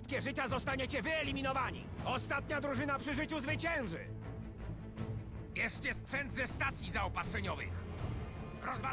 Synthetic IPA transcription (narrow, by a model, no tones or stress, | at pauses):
t̪kʲɛʐɘt͡ɕazɔst̪aɲet͡ɕɛvɘɛlʲimʲinɔvaɲḭɔst̪at̪ɲad̪ɾuʐɘnapʂɘʐɘt͡ɕuzvɘt͡ɕɛ̃w̃ʐɘ̰ | jɛʂt͡ɕɛspʂɛnd̪zɛst̪at̪sʲjizaɔpatʂɛɲɔvɨ̰x | ɾɔzva